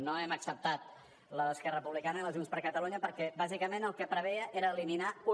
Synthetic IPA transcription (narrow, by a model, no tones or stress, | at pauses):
noɛməksəp̚t̪at̪̚ | ləəskɛrəəpuβlikanəiləʒunspəɾkət̪əluɲəpəɾkɛbazikəmenəlˠkəpɾəβ̞ɛəʔeɾəːliminau